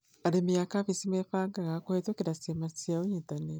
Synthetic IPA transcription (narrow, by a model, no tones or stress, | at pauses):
aɾimjakaβisimeɸaːŋɡaŋakohetokiɾasemat͡siauɲitane